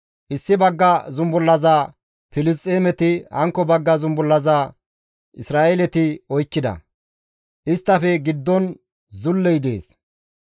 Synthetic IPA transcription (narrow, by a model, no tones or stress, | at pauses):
ʔɪsːɪbɐɡːɐzʊmbʊlːɐzaː | fɪlɪs̬t̪ʼːeːmɛt̪ɪhɐ̰ŋkːɔbɐɡːɐzʊmbʊlːɐzaː | ʔɪsɾaːʔelɛt̪ɪɔjkːɪd̪ɐ̰ | ʔɪst̪ːɐfɛɡɪd̪ːɔn | zʊlːɛjd̪ḛːs